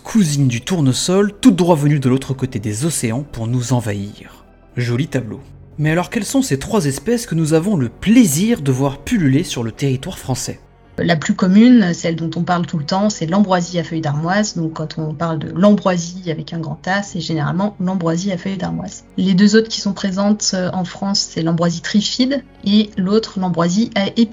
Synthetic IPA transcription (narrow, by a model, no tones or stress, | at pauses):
kʰuzind̪yt̪uʁnosɔlt̪ud̪ʁwavənyd̪əlot̪χəkot̪ed̪ezɔseɑ̃puʁnuzɑ̃vaḭʁ | ʒolit̪ablo̰ | mɛalɔʁkʲɛlsɔ̃set̪χwazɛspɛskənuzavɔ̃ləpleziʁd̪əvwaʁpylylesyʁlət̪eʁit̪waʁfχɑ̃sɛ | laplykɔmynsɛld̪ɔ̃t̪ɔ̃paʁlt̪ulət̪ɑ̃sɛlɑ̃bʁwaziafœjd̪aʁmwazd̪ɔ̃kːɑ̃t̪ʰɔ̃paʁld̪ə̰lɑ̃bʁwaziavɛkɛ̃ɡʁɑ̃t̪asɛʒeneʁa̰lmɑ̃lɑ̃bʁwaziafœjd̪aʁmwa̰zled̪øzot̪χkʲi̥sɔ̃pχezɑ̃t̪øɑ̃fχɑ̃sːɛlɑ̃bʁwazit̪χifid̪ | elot̪χlɑ̃bʁwaziʔaʔe